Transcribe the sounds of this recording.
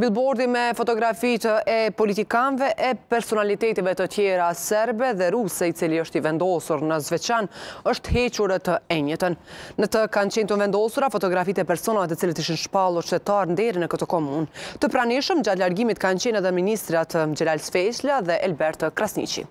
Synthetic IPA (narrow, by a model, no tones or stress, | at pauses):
mbilˠbɔɾðimɛfɔt̪ɔɡɾafit̪əʔɛpɔlit̪ikanvɛʔɛpɛɾsɔnalit̪ɛt̪ivɛt̪ət̪jɛɾasɛɾbɛðɛɾusɛit͡siliəʃt̪ivɛnd̪ɔsuɾnəzvɛt͡ɕanəʃt̪hɛt͡ɕuɾɛt̪əɛɲət̪ənːət̪əkant͡ɕɛnt̪ənvɛnd̪ɔsuɾafɔt̪ɔɡɾafit̪ɛpɛɾsɔnavɛt̪ət͡silət̪iʃinʃpalˠuɾʃt̪ɛt̪aɾnd̪ɛɾinəkət̪ɔkɔmunt̪əpɾaniʃəmd͡ʒat̪laɾɡimit̪kant͡ɕɛnɛðɛminist̪ɾiat̪əmd͡ʑɛlalsfɛt͡ʃlaðɛʔɛlbɛɾt̪kɾasnḭt͡ʃḭ